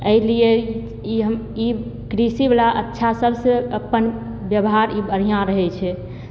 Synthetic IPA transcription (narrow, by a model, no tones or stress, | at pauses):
əilie | iɦəm | i | kɾisibelaʔətːʃʰasəbseəpːən | bjəbɦaɾibəɽ̤ijãɾəɦɛt͡ʃʰɛ